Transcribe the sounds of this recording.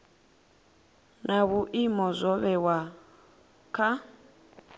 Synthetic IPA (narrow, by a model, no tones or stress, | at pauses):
nʔaβuʔimɔzʷɔβɛwa | kʰa